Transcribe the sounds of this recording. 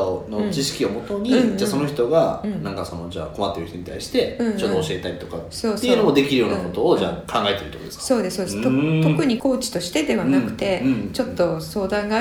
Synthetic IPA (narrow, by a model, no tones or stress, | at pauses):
not͡ɕiɕi̥kʲio̞mo̞t̪o̞ɲ̟id͡ʑaːso̞no̞çʲi̥t̪o̞ɡaɯ̟̃ɴnãŋkasono̞d͡ʑa̰ːko̞mat̪ːe̞ɾɯ̟çit̪oɲ̟it̪a̰iɕi̥t̪e̞ɯ̟̃ːt͡ɕott̪oɕie̞t̪aɾʲit̪o̞kasoːsːeoɯnomo̞d̪e̞kʲiɾɯjo̞ːnako̞t̪o̞ːd͡ʑa̰ːkʰãŋɡae̞t̪eɾɯ̟t̪okod̪eskaso̞ːd̪e̞sɨ̥soːd̪est̪ot̪okɯ̟ɲ̟iko̞ːt͡ɕi̥t̪o̞ɕi̥t̪e̞d̪e̞βanakɯ̟̥t̪ẽ̞t͡ɕo̞t̪ːo̞so̞ːd̪ãŋɡa